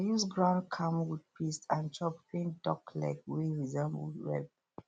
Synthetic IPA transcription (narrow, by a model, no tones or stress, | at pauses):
ajusɡɹãʊ̃ndkʰãmwud̚pistãnt͡ʃɔpkẽndɔkla̰ɪkweɹizə̃mwṵdwɛ̰b̚